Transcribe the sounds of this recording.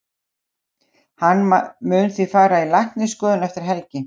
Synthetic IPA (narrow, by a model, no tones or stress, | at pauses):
hanːmʏnθifaːɾailajhk̪nɪskœːðʏnɛft̪ɪɾ̥ɦɛlcɪ